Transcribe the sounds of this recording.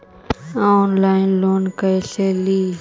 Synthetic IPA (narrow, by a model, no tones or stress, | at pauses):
ãːoːnlaːɪnloːnkəeːseːliː